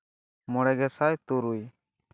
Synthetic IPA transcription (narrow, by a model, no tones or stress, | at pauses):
mɔɽɛɡɛsajt̪uɾuj